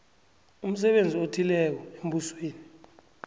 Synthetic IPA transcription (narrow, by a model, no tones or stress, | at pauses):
um̩s̬ɛɓend͡zʱiotʰilɛk̬ɔembusweːni